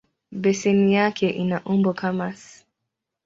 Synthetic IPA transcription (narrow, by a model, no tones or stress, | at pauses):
bɛsɛnijakʰɛʔinaʔumbɔkamas